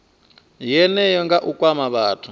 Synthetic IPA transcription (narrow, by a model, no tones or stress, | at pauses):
jɛnɛjɔŋɡaʔukʼwamaβaːtʰu̥